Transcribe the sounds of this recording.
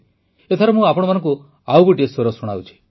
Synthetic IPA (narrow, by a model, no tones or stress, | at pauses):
et̪ʰaɾɔmũapɔɽ̃ɔmanɔ̃ŋku | awkuʈiesoɾɔsɔɽ̃a̰wt͡ʃʰi̥